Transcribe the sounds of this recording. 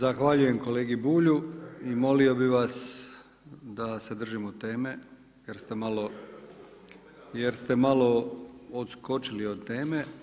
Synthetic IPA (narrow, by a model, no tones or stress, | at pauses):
zaxʋaʎuje̞mko̞le̞ːɡibuːʎuimo̞lio̞biʋas | d̪ase̞d̪r̩ʒimod̪̚t̪e̞ːme̞ | jeɾst̪emalo̞ | jeɾst̪e̞malo̞ot̪sko̞t͡ʃilio̞d̪t̪e̞ːme̞